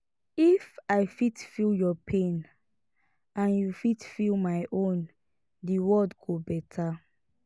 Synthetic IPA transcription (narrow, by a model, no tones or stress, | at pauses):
ifaɪfitfiljɔpʰẽn | ãnjufitfilˠmaɪʔõn | diwɔdɡobɛtʰa